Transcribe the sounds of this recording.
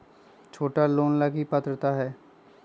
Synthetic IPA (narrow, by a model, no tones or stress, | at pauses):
t͡ʃʰoːʈaloːnlaɡipət̪ɾət̪aɦɛː